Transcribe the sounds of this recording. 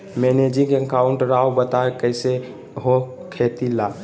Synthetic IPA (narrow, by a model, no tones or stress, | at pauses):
mened͡ʒĩŋɡeŋkaʊɳʈɾawbət̪aekəjse | ɦokʰet̪ila